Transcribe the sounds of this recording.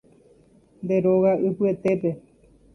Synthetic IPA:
nd̪e̞ɾoɣaɨpɨe̞t̪e̞pe̞

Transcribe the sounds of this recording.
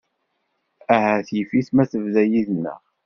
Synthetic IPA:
æhæθjifiθmæθəvðæjiðnːə̰ʁ

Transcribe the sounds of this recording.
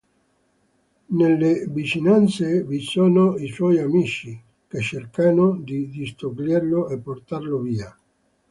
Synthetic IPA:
nelːevit͡ʃinant̪sevisoːnoiswɔjamit͡ʃi | ket͡ʃːerkanod̪id̪ist̪oɡlerloepːort̪arloviːa

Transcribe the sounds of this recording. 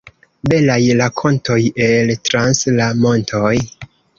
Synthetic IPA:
be̞lajlakʰo̞ntʰo̞je̞ltɾanslamo̞ntʰo̞j

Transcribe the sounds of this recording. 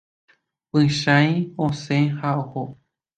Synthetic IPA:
pɨ̃ʃãj̃õsẽhaoho

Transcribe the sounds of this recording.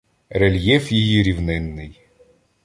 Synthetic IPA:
ɾelʲjɛfjijiɾʲiwnɪnːɪj

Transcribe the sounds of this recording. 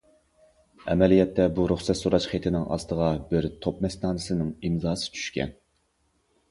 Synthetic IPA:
ɛmɛlijɛt̪ʰːɛbuɾuχsɛt̪soɾɑʃχet̪ʰɪnɪŋɑ̰st̪əʁɑbɪɾt̪ʰop̚mɛsnɑːnɨsɨnɨŋimzɑːsɨ̥t͡ʃʰy̥ʃkʲɛ̰n

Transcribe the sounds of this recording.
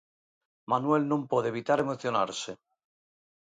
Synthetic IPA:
manwe̞lnõmpwoðeβit̪aɾe̞moθjona̰ɾse

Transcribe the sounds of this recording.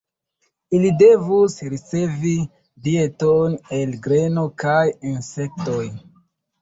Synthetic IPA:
ilide̞vusɾit͡se̞vi | die̞tone̞lɡɾe̞no̞kajinse̞k̚to̞j

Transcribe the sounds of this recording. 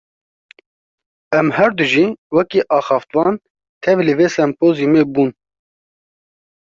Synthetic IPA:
ɛmhɛɾd̪ɨʒiːwɛkiːʔɑːxɑːft̪wɑːn | t̪ʰɛvlɨveːsɛmpoːzimeːbuːn

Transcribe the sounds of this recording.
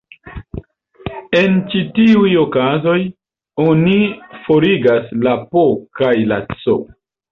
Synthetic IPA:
e̞nt͡ʃitiujo̞kazo̞j | o̞nifo̞ɾiɡaslapokajla̰t͡so̰

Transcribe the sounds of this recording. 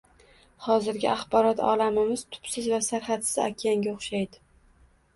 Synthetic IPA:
hɒzɪɾɡʲɪaχbɒɾɒt̪ʰɒ̰lamɪmɪz̥t̪ʰʊ̥psɪzvasaɾχat̪sɪza̰kʲʰaŋɡʲaʊχʃajd̪ɪ

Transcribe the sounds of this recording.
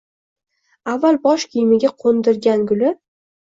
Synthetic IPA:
avːalˠbɒʃkʲɪjmɪɡʲaqʰond̪ɪɾɡʲanɡʊlɪ

